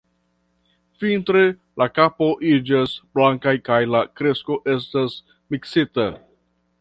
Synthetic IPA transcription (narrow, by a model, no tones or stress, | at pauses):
fintɾe | lakapo̞ʔid͡ʒasblaŋkajkajlakɾe̞sko̞ʔe̞s̬tas | miksita